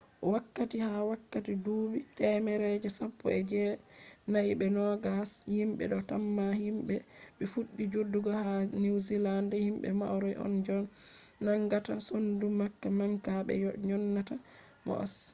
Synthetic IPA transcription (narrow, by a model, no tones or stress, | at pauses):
ʔɔwakːatihawakːatiduːbitɛmɛɾɛd͡ʒɛsapːɔ̰ɛd͡ʒɛnaiɓɛnɔɡashimɓɛ̰ɗɔtamːahimɓɛɓɛfuɗːid͡ʒodːuɡɔhaniwzilandɛhimɓɛ̰ma̰wɾɔjʔɔ̰nd͡ʒɔnːaŋɡatasondumakːamaŋkaɓɛ̰ɲɔnːata | mɔ̰ʔs